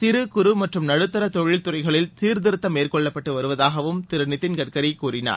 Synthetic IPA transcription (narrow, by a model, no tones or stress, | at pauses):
sɪɾɯkʊɾɯmɐʈrɯmnɐɽɯt̪ːɐɾɐt̪ɔɻɪlt̪ʊɾɐɪɣɐɭɪlsiːɾd̪ɪɾɯt̪ːɐmeːrkɔɭːɐpːɐʈːɯʋɐɾɯʋɐðaːɣɐʋɯmt̪ɪɾɯnɪt̪ːɪnkɐʈ̚kɐɾɐɪkːuːɾɪna̰ːɾ